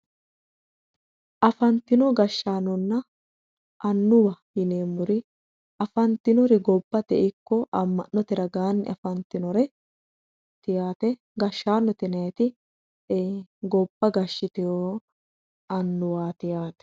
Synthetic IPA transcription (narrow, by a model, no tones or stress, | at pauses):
ʔɐfɐnt̪ɪnɔɡɐʃːaːnɔnːɐ | ʔɐnːʊwɐjɪneːmːʊɾɪ | ʔɐfɐnt̪ɪnɔɾɪɡɔbːɐt̪ɛʔɪkːɔʔɐmːɐnːɔt̪ɪɾɐɡaːnːɪ̰ʔɐfɐnt̪ɪnɔɾɛ | t̪ɪjaːt̪ɛ | ɡɐʃːaːnːɔt̪ɪnɐjɛt̪ɪ | eɡɔbːɐɡɐʃːɪt̪ɪjoː | ɐnːʊwaːt̪ɪjaːt̪ɛ̥